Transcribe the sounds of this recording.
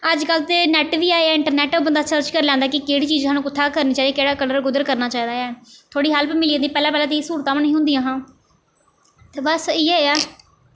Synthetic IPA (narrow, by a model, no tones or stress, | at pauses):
əd͡ʒkəlt̪eːnɛːʈʋiːaːaːɪ̃ɳʈəɾnɛːʈobənd̪aːt͡ʃəɾt͡ʃkəɾlɛ̃ːnd̪aːkɪkeːɽiːt͡ʃiːzsãːnũːkʊt̪ʰːaːkəɾniːt͡ʃaːiːkeːɽaːkələɾɡʊd̪əɾkəɾnaːt͡ʃaːiːd̪aːɛːt̪ʰoːɽiːɦəlpmɪlĩːnd̪ĩːpɛːlãːpɛːlãːd̪iːsuːɾt̪ãːmənĩːɦʊ̃nd̪ijãːɦãː | t̪eːbəsiːɛːaː